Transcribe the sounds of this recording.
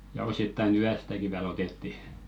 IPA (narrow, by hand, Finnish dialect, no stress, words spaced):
jɑ ositːɑin yæstæki ʋiæl otetːi